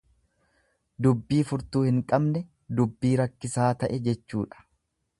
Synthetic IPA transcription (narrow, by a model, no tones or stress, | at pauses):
d̪ʊbːiːfʊɾt̪uːhɪŋkʼɐbnɛ | d̪ʊbːiːɾɐkːɪsaːt̪ɐʔɛd͡ʒɛt͡ʃːuːᶑɐ̥